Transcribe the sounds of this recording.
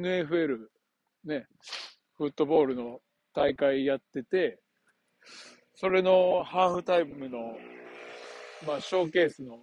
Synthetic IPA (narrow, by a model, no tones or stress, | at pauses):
enɯ̟e̞ɸɯ̟e̞ɾɯ̟ | ne̞ | ɸɯ̟t̪ːo̞bo̞ːɾɯ̟no̞ | t̪aikaijat̪ːe̞t̪e̞ | so̞ɾe̞no̞haːɸɯ̟t̪aimmɯ̟no̞ | maːɕo̞ːke̞ːsɨno̞